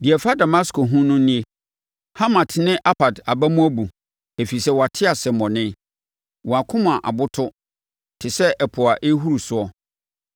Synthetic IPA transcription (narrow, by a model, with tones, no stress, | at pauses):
dɪ˨ɛ˨fa˦da˨mã˦sko˨ɦũ˦nʊ̃˦nĩ˦e˦ | ha˦mã˨tʰnɪ̃˦ʔa˦pʰa˨da˨bæ˦mũ˦æ˦bu˨ | e˨fi˨sɛ˦wa˨tʰɪ˦a˨sɛ˨mɔ̃˨nɪ̃˦ | wɔ˨a˨kʰʊ̃˦mʊ̃˨a˨ʔa̰˨bʊ˦tʰʊ˦ | tʰɪ˨sɛ˦ʔɛ˨pʰʊ˨a˨ʔe˦ɦu˦ɾu˨sʊ˦ɔ˦